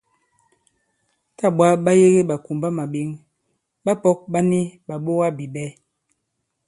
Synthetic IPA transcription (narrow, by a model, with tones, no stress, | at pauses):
ta˦˨ɓwa˦ɓa˦je˦ɣe˦ɓa˨ku˨mba˦ma˨ɓi˨˦ŋ | ɓa˦pɔ˦k̚ɓa˦ni˦ɓa˨ɓo˦ɣa˦bi˨ɓɛ˦